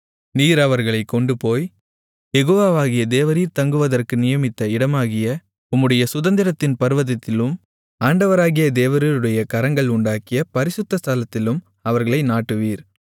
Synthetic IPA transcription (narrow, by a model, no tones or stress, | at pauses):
niːɾɐʋɐɾɣɐɭɐɪkːɔɳɖɯpoːj | jɛɣoːʋaːʋaːɣɪjɐd̪eːʋɐɾiːɾt̪ɐŋɡɯʋɐðɐrkɯnɪjɐmɪt̪ːɐɪɽɐmaːɣɪjɐ | ʊmːɯɽɐjɐsʊðɐnd̪ɪɾɐt̪ːɪnpɐɾɯʋɐðɐt̪ːɪlɯm | aːɳɖɐʋɐɾaːɣɪjɐd̪eːʋɐɾɐlɯɽɐjɐkɐɾɐŋɡɐɭʊɳɖaːkɪjɐpɐɾɪsʊt̪ːɐst̪alɐt̪ːɪlɯm | ɐʋɐɾɣɐɭɐɪnaːʈːɯʋiːɾ